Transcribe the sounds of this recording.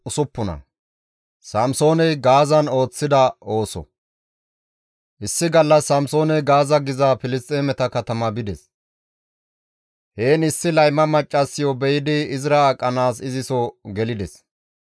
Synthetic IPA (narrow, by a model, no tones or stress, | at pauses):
ʊsʊpːʊnɐ̰ | sɐmso̞ːnɛjɡaːzɐno̞ːt͡sːɪd̪ɐo̞ːsɔ̰ | ʔɪsːɪɡɐlːɐsːɐmso̞ːnɛjɡaːzɐɡɪzɐfɪlɪst̪ʼeːmɛt̪ɐkɐt̪ɐmɐbɪd̪ɛs | heːnɪsːɪlɐjmɐmɐt͡ʃʼːɐsːɪjɔbɛjɪd̪ɪːzɾakʼːɐnaːsɪzɪsɔɡɛlɪd̪ɛs